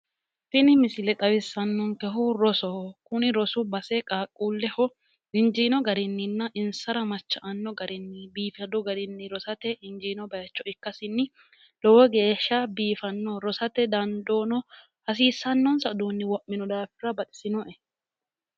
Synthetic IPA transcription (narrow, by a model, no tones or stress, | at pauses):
tɪnɪmɪsɪlɛt̪ʼɐwɪsːɐnːɔŋkɛɦʊɾɔsɔkʊnɪɾɔsʊbɐsɛkʼaːkʼːuːlːɛhɔ | ɪnd͡ʒiːnɔɡɐɾɪnːɪnːɐʔɪnsɐɾɐmɐt͡ʃːɐʔɐnːɔɡɐɾɪnːɪbiːfɐd̪ɔɡɐdɪnːɪɾɔsɐt̪ɛʔɪnd͡ʒiːnɔbɐjɐt͡ʃːɔɪkːɐsɪnːɪ | lɔwɔɡeːʃːɐbiːfɐnːɔɾɔsɐt̪ɛd̪ɐnd̪ɔːnɔ | hɐs̬iːsːɐnːɔnsɐd̪uːnːɪwɔʔːɪnɔd̪aːfɪɾɐbɐt̪ʼɪ̥sɪnɔʔɛ